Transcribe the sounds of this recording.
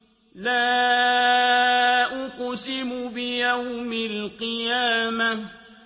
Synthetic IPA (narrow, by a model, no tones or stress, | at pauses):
laː | ʔʊqsɪmʊbɪjawmalqɨjaːma